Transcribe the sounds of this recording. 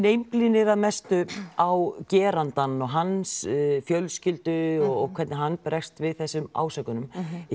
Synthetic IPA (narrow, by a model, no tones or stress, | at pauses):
nejmplinɪɾaðmɛst̪ʏawcɛːɾant̪anːɔɣɦansfjœlscɪlt̪ʏɔɣɔɣkʰvɛɾt̪nɪɦanpɾɛxst̪vɪðθɛsːʏma̰ːwsakʏnʏm